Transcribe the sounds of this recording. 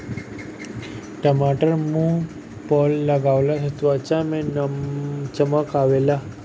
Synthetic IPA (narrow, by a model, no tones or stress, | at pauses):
ʈəmaʈəɾmũ | pɔlːəɡaʋlasət̪ʋat͡ɕamẽn | t͡ɕəməkaʋela